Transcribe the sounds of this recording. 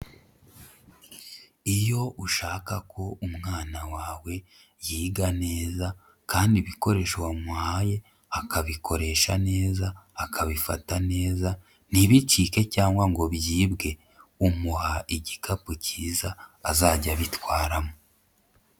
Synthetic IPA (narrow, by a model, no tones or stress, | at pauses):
ijo̞ʔuʃaːkakʰo̞umŋaːnawaːwe̞ | jiːɡane̞ːza | kʰaːndiβiko̞ɾe̞ːʃowamuhaje̞ | akaβikʰo̞ɾe̞ʃane̞ːzaːkʰaβifatane̞ːza | niβitiːke̞caːŋɡwaŋɡo̞βjiːbɡe̞ | umuhaʔiɟikʰapuciːzaːzaːɟaβitwaːɾamo